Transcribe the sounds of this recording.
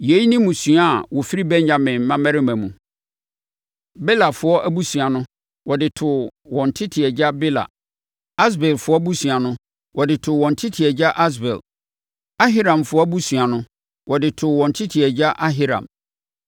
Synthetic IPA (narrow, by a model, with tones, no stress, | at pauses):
je˨˦i˦nĩ˦mũ˨sɥa˦˨wɔ˨fi˦ɾi˦bɛ̃˦ɲɲã˨mɪ̃˨mm̩˦mã˦mæ̃˦ɾɪ˦mæ̃˨mũ˨ | bɛ˦la˨fʊ˦ɔ˦ʔæ˦bu˦sũ˨a˨nʊ̃˦ | wɔ˨dɪ˨tʰʊ˨wɔ̃˨n̩˨tʰɪ˦tʰɪ˨ɛ˨d͡ʑa˦bɛ˦la̰˨ | a˦s̬bɛ˨lfʊ˨˦ɔ˦bu˦su˨a˨nʊ̃˦ | wʔɔ˨dɪ˨tʰʊ˨wɔ̃˨n̩˨tʰɪ˦tʰɪ˨ɛ˨d͡ʑa˦ʔa˦s̬bɛ̰˨l | a˦ɦɪ˦ɾã˨mfʊ˦ɔ˦bu˦su˨a˨nʊ̃˦ | wʔɔ˨dɪ˨tʰʊ˨wɔ̃˨n̩˨tʰɪ˦tʰɪ˨ɛ˨d͡ʑa˦ʔa˦ɦɪ˦ɾã̰˨m